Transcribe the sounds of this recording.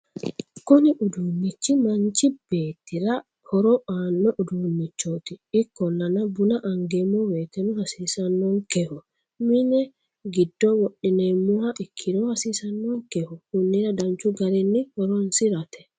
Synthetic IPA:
kɔnɪʔʊd̪uːnːɪt͡ʃːɪmɐnt͡ʃːɪb̥eːt̪ːɪɾɐ | hɔɾɔaːnːɔʔʊd̪uːnːɪt͡ʃːoːt̪ɪɪkːɔnːɐnɐbʊnɐʔɐŋɡemːɔweːt̪ɛnʊhɐsiːsɐnːɔŋkɛhʊ | mɪnɛ | ɡɪd̪ːɔwɔɗɪnemːʊhɐʔɪkʰːɪd̪ohɐsiːsɐnːɔŋkɛhʊkʊnːɪɾɐd̪ɐnt͡ʃːʊɡɐɾɛnːɪhɔɾɔnsɪɾɐt̪ɛ̥

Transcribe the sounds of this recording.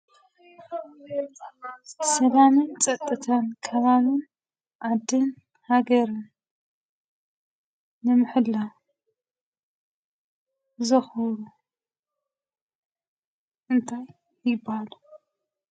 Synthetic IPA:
sɐlamɨnt͡sʼɐt̪ʼːɨt̪ʰankʰɐβaβɨn | ʕad̪ːɨn | haɡɐɾɨn | nɨmɨħɨlːa | zɐxɨɾu | ʔɨnt̪ʰaj | jɪbahalu

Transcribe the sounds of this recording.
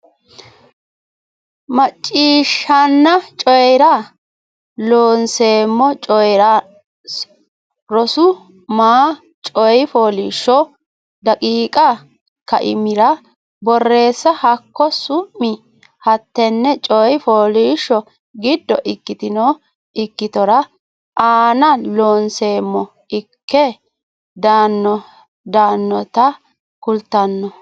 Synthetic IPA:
mɐt͡ʃʼːiːʃːɐnːɐt͡ʃʼɔjɾɐ | loːnse̞ːmːɔt͡ʃʼɔjɾɐ | ɾɔsʊ | maː | t͡ʃʼɔjfoːliːʃːɔ | d̪ɐkʼiːkʼɐ | kːɐ̰ʔɪ̰mɪɾɐ | bɔrːe̞ːsːɐhɐkːɔsʊʔːɪ | hɐt̪ːɛnːɛt͡ʃʼɔjfoːliːʃːɔ | ɡɪd̪ːɔʔɪkːɪt̪ɪnɔ | ɪkːɪt̪ɔɾɐ | ʔaːnɐloːnse̞ːmːɔ | ɪkʰːɛ | d̪aːnːɔ | d̪aːnːɔt̪ɐ | kʊlt̪ːɐnːɔ

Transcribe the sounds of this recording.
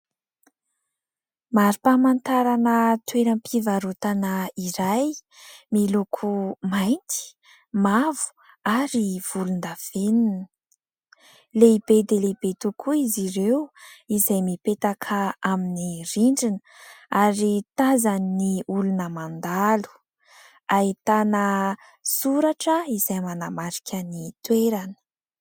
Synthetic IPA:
maɾipamant̪aɾanət̪weɾampʰivaɾut̪anəiɾajmilukʰumaj̪t̪i̥ | mavu̥ | aɾiv̥ulund̪av̥eninə | leibed̪eleibet̪ukʰuiziɾewizajmipet̪akʰaaminiriɳɖ͡ʐin | aɾit̪azanniulunəmand̪alu̥ | ait̪anə | suɾaʈ͡ʂəizajmanamaɾikʰʲənit̪weɾanə̥

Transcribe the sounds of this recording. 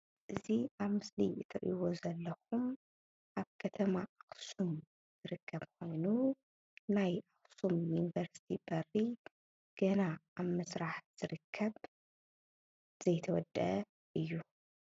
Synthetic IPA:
ʔɨziaβmɨsliɨt̪ʰɐʔjwo̞zɐlːɐxum | ʔaβkʰɐt̪ʰɐmaʔaxsum | zɨɾɨkʰːɐβkʰo̞jnu | najʔaxsumjunivɐɾsi̥t̪ʰibɐrːi | ɡ̥ɐnaaβmɐsɾaħz̥ɨɾɨkʰːɐβ | z̥ɐjt̪ʰɐwɔd̪ɐ | ʔɨjːu

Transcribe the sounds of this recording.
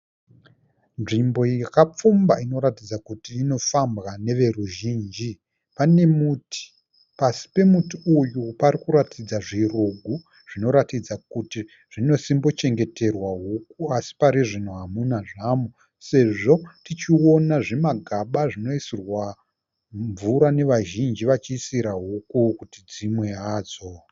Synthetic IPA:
nʐimbo̞jakap͡fumba̰ino̞ɾatid͡zakutiːno̞fambɣane̞ʋe̞ruʒiːnd͡ʒi | pane̞mutʰi̥ | pasi̥pe̞mutiujupaɾikuɾatʰid͡zaʐiruɡʱu | ʐ̥ino̞ɾatid͡zak̚uti | ʐ̥ino̞simbo̞t͡ʃe̞ŋɡe̞te̞rwaɦuk̚uasi̥paɾiʐin̤uɦamunaʐamu | se̞ʐo̞tit͡ʃio̞naʐemaɡʱaɓaʐino̞isirwa | ɱvuɾane̞ʋaʒind͡ʒiʋat͡ʃiːsiɾaɦukukutid͡zimwe̞ɦaːd͡zo

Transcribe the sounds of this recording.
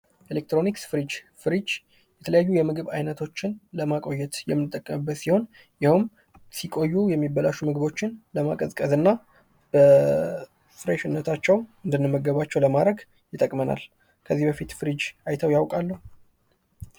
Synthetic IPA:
ʔelek̚t̪ɾo̞niksfɨɾid͡ʒfɨɾid͡ʒ | jɛt̪ʰələjajːujɛmɨɡɨβa̰jnət̪ʰo̞t͡ʃːɪnləmakʼo̞jːɛt̪jɛ̰mːɨnt̪ʼːəkʼːəmɨbːət̪siho̞n | jɪhɨm | sikʼo̞jːujɛmːibəlaʃumɨɡɨβo̞t͡ʃːɪnləma̰kʼəzkʼəzɨnːa | b̥ə | fɾeʃɪnːət̪ʰat͡ʃːɛwɨnd̪ɨnːɨmːəɡəβat͡ʃːɛwləmad̪ɾəɡ | jɪt̪ʼːəkʼməna̰l | kʰəzːihbəfit̪fɨɾid͡ʒʔajt̪ʰəwjawkʼalːəhu

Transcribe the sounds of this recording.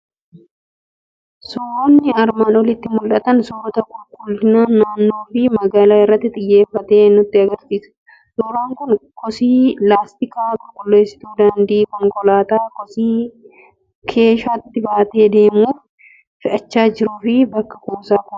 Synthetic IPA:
soːɾonːɪɐɾmaːnɔlɪt̪ːɪmʊlʔɐt̪ɐnsɔːɾɔt̪ɐkʼʊlkʼʊlɪnaːnːaːnːo̞ːfɪmɐɡaːlaːɪrːɐt̪ːɪt̪ʼɪjːe̞ːfːɐt̪e̞ːnːʊt̪ːɪɐɡɐɾsiːsɐ̥ | soːɾaːŋkʊnkʰɔsiːlaːst̪ɪkaːkʼʊlkʼʊlːe̞ːsɪ̥t̪uːd̪ɐnd̪iːkɔŋkɔlaːt̪aːkɔsiː | kʰe̞ːʃaːt̪ːɪbaːt̪e̞ːd̪e̞ːmuːf | fɪʔɐt͡ʃːaːd͡ʒɪɾuːfɪbɐkːɐkuːsaːkʊnɐ̥

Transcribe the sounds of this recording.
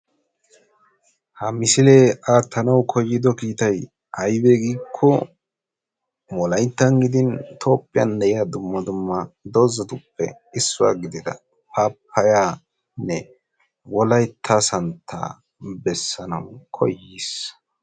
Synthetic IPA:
hɐmɪsɪleːaːt̪ʰːɐnɐwkʰɔjːɪd̪ɔkiːt̪ɐj | hɐjbeɡiːkʰːɔ | mɔlɐjt̪ːɐnɡɪd̪ɪnt̪ʰo̞ːpʼːɪjɐ̰nd̪ɛʔɪjaːd̪ʊmːɐd̪ʊmːɐd̪ɔzɐt̪ʊpːɛ̰ | ɪsːʊwa̰ːɡɪd̪ɪd̪ɐ̰ | paːpʰːɐjaː | nːɛ | wɔlɐjt̪ʰːasɐnt̪ʰːa̰ː | bɛsːɐnɐwkʰɔ̰jːis

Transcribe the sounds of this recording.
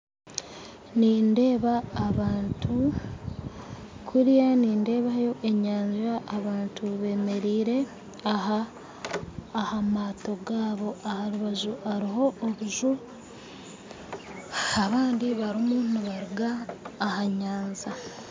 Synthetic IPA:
niːnde̞ːβaːβaːntʰu | kʰuɾijaniːnde̞ːβajo̞ʔe̞ɲaːɲʒaʔːβaːntʰuβe̞ːme̞ɾiːɾe̞ | aɦa | hamaːto̞ɡaːβo̞ahaɾuβaʒuaɾiho̞ːβuʒu | aβaːndiβaɾimuniβaɾuɡaːhaɲaːnza

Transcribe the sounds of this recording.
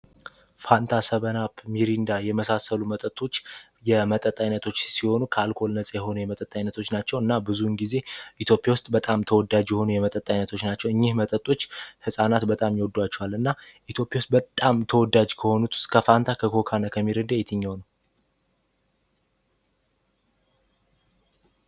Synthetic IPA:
fant̪ʰasəβənapmiɾind̪ajɛməsasəlumət̪ʼət̪ʼːo̞t͡ʃː | jɛmət̪ʼət̪ʼːajnːət̪ʰo̞t͡ʃːsiho̞nukʰəalkʰo̞lnət͡sʼjɛɦo̞nujɛmət̪ʼət̪ʼːajnːət̪ʰo̞t͡ʃːnat͡ʃːɛwɨnːabɨzunɡize̞ʔit̪ʰjo̞pʼjawʊst̪ʼbət̪ʼamt̪ʰəwɔd̪ad͡ʒjɛho̞nujɛmət̪ʼət̪ʼːajnət̪ʰo̞t͡ʃːnat͡ʃːɛwɨɲːɪhmət̪ʼət̪ʼːo̞t͡ʃːhɨsʼanat̪bət̪ʼamjɛwɔd̪ːuwat͡ʃːɛwalɨnːaʔit̪ʰjo̞pʼjawst̪̚bət̪ʼːamt̪ʰəwɔd̪ad͡ʒkʰəho̞nut̪ʰskʰəfant̪ʰakʰəkʰo̞kʰanəkʰəmːiɾɨnd̪ajɛt̪ʰɨɲːawnəw

